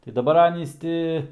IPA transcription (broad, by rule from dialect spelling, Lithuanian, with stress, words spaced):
tɐɪ dɐˈbɐr ˈɑːnʲiːs tʲɪ